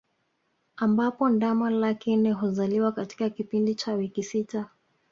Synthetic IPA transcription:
ambapɔndamalakinɛɦuzaliwakati̥kakipindit͡ʃawikisita

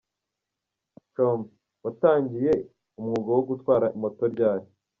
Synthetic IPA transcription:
t͡ʃom | wataːɲɟije̞ | umŋuɡowoɡutwaːɾaʔimo̞to̞ɾɟaːjo

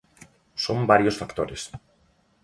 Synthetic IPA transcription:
sombaɾjosfakt̪oɾes

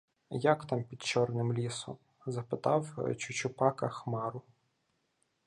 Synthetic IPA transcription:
jɐkt̪ɑmpʲid̪t͡ʃɔrnɪmlʲisɔ̰m | zɐpɪt̪ɑwt͡ʃʊt͡ʃʊpɑkɐxmɑɾʊ

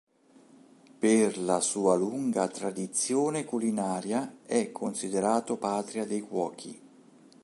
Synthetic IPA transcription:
perlasuːaluŋɡat̪ɾad̪it̪sːjoːnekulinaːɾjaɛkʰːonsid̪eɾaːt̪opaːt̪ɾiad̪ejkwɔːk̟ʰḭ

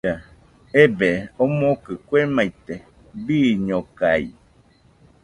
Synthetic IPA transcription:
a | ebeomokɨkʷemajt̪e | biɲokaj

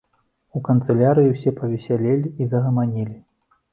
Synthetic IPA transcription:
ukɐnt̪sɛlʲaɾɨjiwsʲɛpɐvʲɛsʲalʲelʲiːzɐɣɐmanʲilʲi

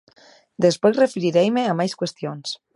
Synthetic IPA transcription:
d̪espejrefeɾiɾɛjmeamajskwest̪ions

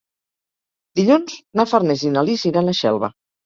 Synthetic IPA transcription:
d̪iʎunznafaɾnezinaliziɾanaʃɛ̰lˠβa̰

